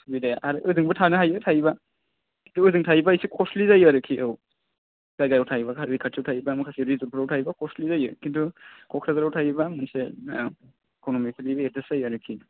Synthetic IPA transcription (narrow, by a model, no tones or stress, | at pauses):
sbideaɾɯʔɯzɯŋbɯtʰanɯɦajɯtʰajba | kintʰuɯzɯŋtʰajibaijsikʰɔslizajaɾɯkʰiʔɯw | ɡ̥ajɡajawtʰajbakʰaɾijkʰaɾ̚siwtʰaibamɐkʰasiɾizulpʰɯɾawtʰajbakʰɔslizajɯkintʰukʰɔkʰɾazɯɾawtʰajibamanse | ekonomikʰlibaedɯszajaɾɯkʰi